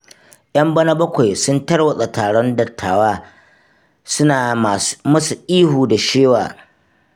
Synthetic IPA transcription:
ʔɐ˦mbɐ˦nɐ˦bɐ˦kʷa˨jsʊ˦ntɐ˦rwɐ˦sʼɐ˨taː˨ɽɔ˦ndɐ˨tʰːaː˨waː˦ | sʊ˦naː˨a˨mɐ˦su˨ʔiː˦huː˨da˨ʃeː˦waː˨

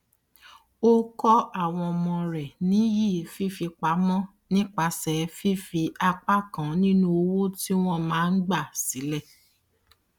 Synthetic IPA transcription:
o˦kɔ˦a˦˨w̃ɔ̃˧mɔ̃˧ɾɛ˨nĩ˨˦ji˦˨fi˦fi˧k͡pa˨˦mɔ̃˦ | nĩ˦k͡pa˧sɛ˨˧fi˦fi˧a˧k͡pa˦kã˨˦nĩ˦nũ˦o˧wo˦ti˦w̃ɔ̃˦˨mãː˨˦n̩˦ɡ͡ba˦˨si˨˦lɛ˦˨

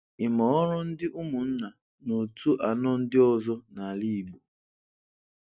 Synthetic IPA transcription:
ɪ˨mɔ˨˦ɾʊ˦n̩˦dɪ˦ʔu˦mu˨n̩˦na˨ | no˨tʰu˦ʔa˨nɔ˦n̩˦dɪ˦ɔ˦zɔ˦na˨li˦˨ɡ͡bu˨

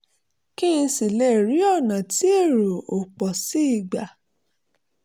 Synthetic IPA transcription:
kĩ˦ĩ˧˦si˨le˦˨ɾi˨˦ɔ˦˨nã˨ti˦e˦˨ɾo˨o˨k͡pɔ˨si˦i˦˨ɡ͡ba˨

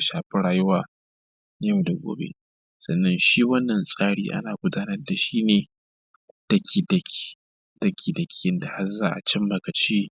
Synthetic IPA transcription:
ʃaː˨ɸɪ˦ɽaː˨jʊ˦waː˨ | na˦jɐ˦wda˨ɡʷo̰ː˦bḛ˦ | sɐ˨nːɐ˦nʃiː˦wɐ˦nːɐ˨nsʼaː˦ɽḭː˦ʔa̰˦naː˨ɡʷʊ˦daː˦nɐ˦rda˨ʃiː˦neː˨ | d̥ɐ˦kʲʰiː˨dɐ˨kʰʲi̥˦ | d̥ɐ˦kʰʲiː˨dɐ˨kʲʰi̥˦jɪ˦nda˨ha˦zaː˦ʔa̰˨t͡ʃɪ˦mːɐ˨ɡa˨t͡ʃiː˦

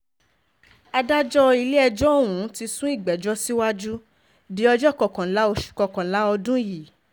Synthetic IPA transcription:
a˧da˦d͡ʒɔ˦i˧le˦ɛ˧d͡ʒɔ˦o˦˨wũ˨˦ti˧sũ˦i˦˨ɡ͡bɛ˨˦d͡ʒɔ˦si˦wa˦d͡ʒu˦ | di˨˦ɔ˧d͡ʒɔ˦˨kɔ˨kã˨la˨˦o˧ʃu̥˨kɔ˨kã˨la˨˦ɔ˧dũ˦ji˨

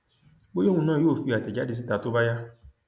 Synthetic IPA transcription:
bo˦jo˦˨ũ˧nãː˦˨joː˦˨fi˧a˨tɛ˨d͡ʒa˨˦di˧s̬i˦ta˨˦to˦ba˦ja˦

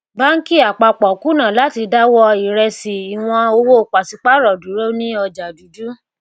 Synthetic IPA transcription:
ba˦ŋ̩˦ki˦˨a˨k͡pa˧k͡pɔ˨ku˦nãː˦˨la˨˦ti˧da˦wɔ˧i˨ɾɛ˧si˨i˨w̃ɔ̃˧o˧wo˦˨k͡pa˨si˨˧k͡pa˦ɾɔ˨du˨˦ɾo˦nĩ˦ɔ˧d͡ʒa˨du˨˦du˦

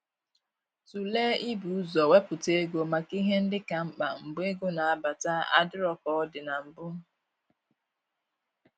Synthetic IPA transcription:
tu˨leː˦i˦bu˨˦zɔ˨we˦pʊ˨te˦ɡo˨ma˨ki˦ɦe˦n̩˦dɪ˦ka˨ŋ͡m̩˦k͡pa˨ŋ͡m̩˨be˦ɡo˦na˨a˦ba˨ta˦a̰˦dɪ˦ɾɔ˨kɔ˦dɪ˨na˨m̩˨bʊ˦

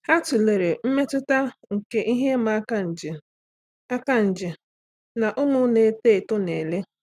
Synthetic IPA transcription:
ha˦tʊ˨le˨ɾe˨m̩˦me˦tʊ˦ta˦ŋ̩˨ke˦ʔi˦ɦe˦ma˦ka˦n̩˨d͡ʒɪ˨ | a˦ka˦n̩˨d͡ʒɪ˨ | na˨ʔʊ˦mʊ˦ne˨˦te˦˨tʊ˦ne˨le˦

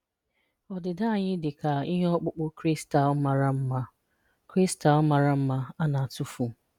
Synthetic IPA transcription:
ɔ˨dɪ˨da˦˨ɲɪ˦dɪ˨ka˨ɪ˦ɦe˦ɔ˦k͡pʊ˦k͡pʊ˦kɾi˦sta˨ɔ˦ma˨ɾa˦m̩˦ma˦ | kɾi˦sta˨ɔ˦ma˨ɾa˦m̩˦ma˦a˦na˨a˨tu˦fu˨

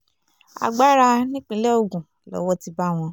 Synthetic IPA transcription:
a̰˧˨ɡ͡ba˦ɾa˧nĩ˦k͡pĩ˧˦lɛ˦o˨ɡũ˨ | lɔ̰˨˦wɔ˦ti˧ba˦w̃ɔ̃˧

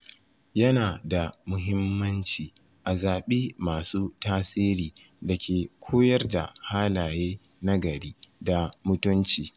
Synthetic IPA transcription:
jɐ˦naː˨da˨mʊ˦ɦɪ˦mːɐ˦nt͡ʃiː˨ | ʔa˨zaː˨ɓiː˦maː˨suː˦taː˦siː˦ɾiː˨ | da˨kʲʰeː˨kʷʰoː˦jɐ˦rda̰˨haː˦laː˨jeː˦ | na˦ɡɐ˨ɽiː˦da˨mʊ˦tʊ˦nt͡ʃiː˨

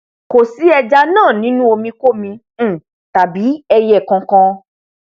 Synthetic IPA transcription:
ko˨si˨˦ɛ˧d͡ʒa˧nãː˦˨nĩ˦nũ˦o˧mĩ˧ko˦mĩ˧˦˨ | ta˨bi˨˦ɛ˧jɛ˨kã˨˧kã˧

